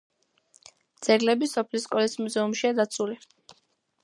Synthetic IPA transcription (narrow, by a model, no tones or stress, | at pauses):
d̪z̥ɛɾlɛbisɔpʰliskʼɔlismuzɛumʃiad̪at̪sʰuli